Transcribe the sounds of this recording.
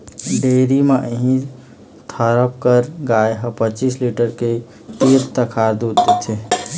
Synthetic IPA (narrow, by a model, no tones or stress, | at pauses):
ɖeɾimeʔəɦĩ | t̪ʰəɾəp̚kəɾɡaeɦəpət͡ʃisliʈəɾke | t̪iɾt̪əkʰaɾd̪ud̪t̪et͡ʃʰe